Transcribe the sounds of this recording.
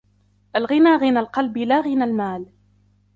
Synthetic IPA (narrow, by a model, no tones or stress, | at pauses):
ʔalɣɪnaːɣɪnalqɑlbɪlaɣɪnalmaːl